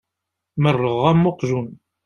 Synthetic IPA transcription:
mərːəʁæmːoqʒun

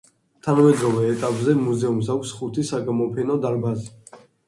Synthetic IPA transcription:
t̪ʰanamɛd̪ɾɔvɛːt̪ʼapʼzɛmuzɛumsakʷʰsχut̪ʰisaɡamɔpʰɛnɔd̪aɾbazi

